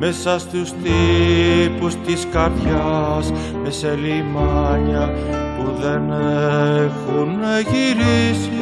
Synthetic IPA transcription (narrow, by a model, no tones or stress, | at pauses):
mesɐst̪ust̪i | pust̪iskɐɾðjas | meselimaɲɐpuðenefuneʝiɾis